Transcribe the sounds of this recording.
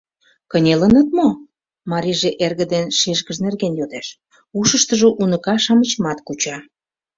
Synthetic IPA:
kənʲelənə̆t̪̚mo | mɑɾʲiʒeʔerɣə̆d̪enʃeʃɣəʒnerɣenjod̪eʃ | uʃəʃt̪əʒoʔunəkɑʃɑmət͡ɕəmɑt̪kut͡ɕɑ

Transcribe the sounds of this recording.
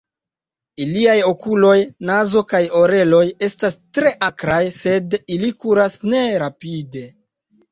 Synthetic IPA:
iliajo̞kulo̞jnazo̞kajo̞ɾe̞lo̞je̞stastɾe̞ʔakɾajse̞dilikuɾasne̞ɾapide̞

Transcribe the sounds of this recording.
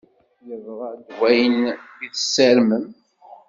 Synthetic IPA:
jəvʁəd̪wæjənbiθəsːælməm

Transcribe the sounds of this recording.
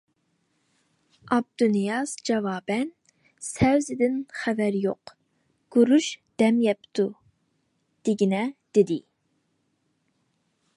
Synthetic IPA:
ɑb̚d̪unijɑzd͡ʒɑvɑːbɛn | sɛwzɪd̪ɪnχævæɾjoq | ɡ̥uɾuʃd̪̥ɛmjɛpt̪ʰu | d̪̥ɪɡʲinɛd̪̥ed̪ɪ

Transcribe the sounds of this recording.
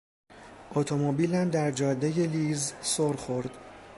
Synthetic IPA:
ʔot̪ʰomobiːlæmd̪æɾd͡ʒɒːd̪ːeje̞lizsoɾxoɾd̪̥

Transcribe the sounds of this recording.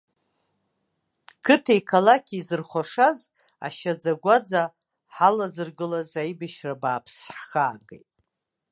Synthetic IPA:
kʰɨtʰejkʰalakʲʰizɨrχʷaʂaz | a̰ʃad͡zaɡʷad͡za | ħalazɨrɡɨlazaibɨʃrabaːpʰsħχaːɡḛjtʼ

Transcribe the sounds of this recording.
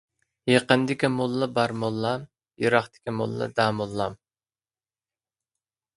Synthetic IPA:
jeqənd̪ɪkʲimolˠːɑbɑɾmolˠːɑm | juɾɑχt̪ɪ̥kʲimo̰lˠːɑ̰d̪ɑːmolˠːɑm

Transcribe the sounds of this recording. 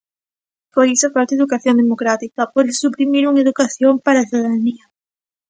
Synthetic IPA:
poɾisofalt̪eðukaθjond̪emokɾat̪ikapoðesupɾimiɾuŋeðukaθjompaɾaθiðaðnia

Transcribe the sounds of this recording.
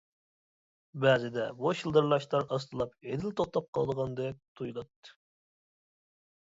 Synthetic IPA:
bɛzɪd̪ɛboʃilˠd̪ɨɾlˠɑʃt̪ˠɑɾɑs̬t̪ʰɨlˠɑped̪ɪlt̪ʰoχt̪ɑp̚qʰɑ̰lˠd̪əʁɑnd̪ɛt̪ʰujulˠɑt̪ːɨ̥

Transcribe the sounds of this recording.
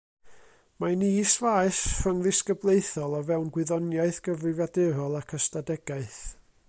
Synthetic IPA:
maniːsvajsfrəŋðɪskəblˠejθɔlˠɔvɛwnɡwɪðɔnjaɨθɡ̥əvrɪvadeɾɔlˠakʰəstadɛɡaɨθ

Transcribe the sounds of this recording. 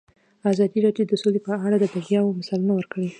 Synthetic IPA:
azɑd̪iɾɑdjod̪əsolepəaɽad̪əbaɣjɑwomasɑlunawəɾkəɽe

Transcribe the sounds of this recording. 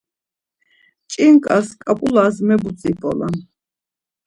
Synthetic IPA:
t͡ʃʼiŋkʼaskʼapʼulasmɛbut͡sʼipʼɔ̰la̰

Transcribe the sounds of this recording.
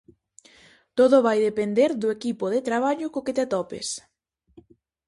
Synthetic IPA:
t̪oðʊβajðepend̪eɾðʊekipoðet̪ɾaβ̞aʎʊkoket̪eat̪ɔpɪ̰s

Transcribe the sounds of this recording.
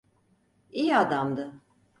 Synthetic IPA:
iːad̪amd̪ɯ

